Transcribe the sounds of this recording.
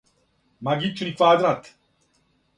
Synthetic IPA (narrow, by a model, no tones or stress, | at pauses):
maɡit͡ʃʰːunifaːd̪nat̪ʰ